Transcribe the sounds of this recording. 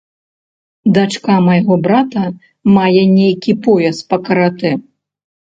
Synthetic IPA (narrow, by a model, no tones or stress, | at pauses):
d̪at͡ʂkamɐjɣɔbɾat̪ɐ | majɛnʲejkʲipɔjɐspɐkɐɾat̪ɛ